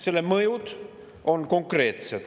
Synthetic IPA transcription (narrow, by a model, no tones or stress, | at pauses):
seleməjut̪ | onkoŋkreːt̪set̪